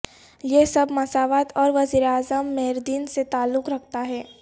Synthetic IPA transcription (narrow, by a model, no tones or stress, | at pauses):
jesɐbmɐsaːʋaːt̪ɔːɾʋɐziːɾeaːzəmːeɦɾd̪iːnset̪aːlːʊkɾɐk̚ʰt̪aɦɛː